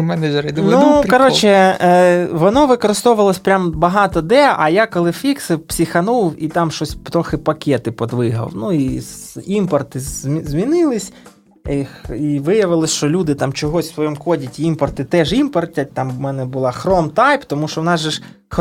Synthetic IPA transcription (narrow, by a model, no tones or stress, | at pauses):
mɛnɐʒɾɐd̪nukɐɾɔt͡ʃɛ | ʋɔnɔʋɪkɔɾɪst̪ɔʋʊʋɐlˠɔsʲpɾʲambɐɦɑt̪ɔd̪ɛɐ̰jakɔlˠɪfʲiksɪpsʲixɐnuwit̪ɑmʃɔsʲt̪ɾɔxɪpɐkʲɛt̪ɪpɔd̪ʋɪɦɐ̰wnuiimpɔrt̪ɪzʲmʲinɪlˠɪsʲ | ixiʋɪjɐʋɪlˠɔsʲʃt͡ʃɔlʲud̪ɪt̪ɑmt͡ʃɔɦɔsʲsʋɔjɔmʊkɔdʲitʲiimpɔrt̪ɪt̪ɛʒimpɔrt̪ʲɐt̪ɑmmɛnɛbʊlˠɑxɾɔmt̪ɑjpt̪ɔmuʃɔʋnɑzʒɛʃ